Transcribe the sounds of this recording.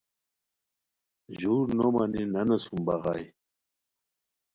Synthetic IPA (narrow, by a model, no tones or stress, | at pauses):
ʑuːɾnomaninanɐsumbaʁaj